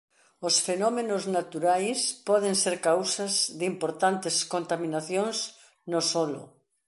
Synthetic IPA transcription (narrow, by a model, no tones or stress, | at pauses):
osfenɔmenoznat̪uɾajspɔðeŋseɾkawsɐzðimpoɾt̪ant̪ɪskont̪aminaθjoŋs | nosɔlʊ̰